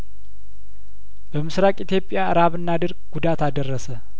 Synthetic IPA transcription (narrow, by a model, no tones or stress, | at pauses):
bəmɨsɾakʼit̪ʰjo̞pʼːɪjaʔɾaβɨnːad̪ɨɾɡɡ̥ud̪at̪ad̪ərːəsə